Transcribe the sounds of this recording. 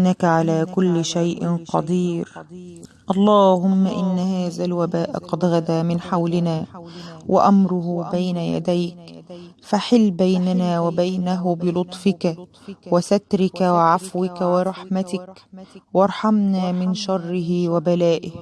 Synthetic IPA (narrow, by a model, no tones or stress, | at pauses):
ʔnːakaʕalaːkʊlːʃajʔqɑ̰d̪ˤiːɾ | ʔɑlˤːɑːhʊmːaʔɪnːhaːðalwabaːʔqɑd̪ɣad̪aːmɪnħawlɪnaːwʔa̰ʔamɾʊhʊbajnaja̰d̪ajkfaħɪlːbajnanaːwabajnaɦʊbɪlʊt̪ˤfɪka | wɪsat̪ɾɪkawɪʕafwɪkawɪɾˤɑħmat̪ɪkwɑɾˤħamnaːmɪnʃɑrˤːɪɦɪwabalaːʔɪh